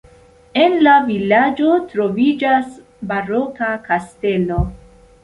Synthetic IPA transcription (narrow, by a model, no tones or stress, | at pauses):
e̞nlavilad͡ʒo̞tɾo̞vid͡ʒas | baɾokakaste̞lo